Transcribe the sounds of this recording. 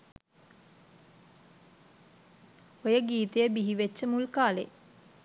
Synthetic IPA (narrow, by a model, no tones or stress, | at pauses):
ojəɡiːt̪əjəbiɦiʋet͡ʃːəmulkaːlḛ